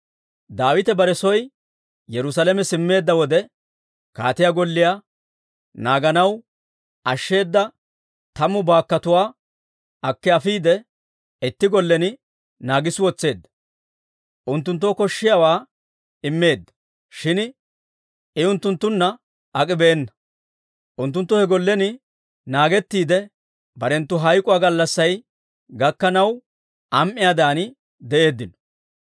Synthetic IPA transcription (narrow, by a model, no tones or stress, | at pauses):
d̪aːwɪt̪ɛbɐɾɛsɔj | jɛɾʊsalɛmɛsɪmːe̞ːd̪ːɐwɔd̪ɛ | ka̰ːt̪ɪjaːɡɔlːɪjaː | naːɡɐnɐw | ɐʃːe̞ːd̪ːɐ | t̪ɐmʊbaːkːɐt̪ʊwaː | ɐkːɛɐfiːd̪ɛ | ɛt̪ːɪɡɔlːɛnɪ | naːɡɪswɔt͡sːe̞ːd̪ːɐ̥ | ʔʊnt̪ːʊnt̪̬ːoːkɔʃːɪjawaː | ɪmːe̞ːd̪ːɐ̥ | ʃɪn | ɪʊnt̪ːʊnt̪ːʊnːɐ | ɐkʼɪbeːnːɐ | ʔʊnt̪̬ːʊnt̪ːʊhɛɡɔlːɛnɪ | naːɡɛt̪ːiːd̪ɛ | bɐɾɛnt̪ːʊɦɐjkʼʊwaːɡɐlːɐsːɐj | ɡɐkːɐnɐw | ʔɐmʔɪjaːd̪aːnɪ | d̪ɛʔe̞ːd̪ːɪnɔ̥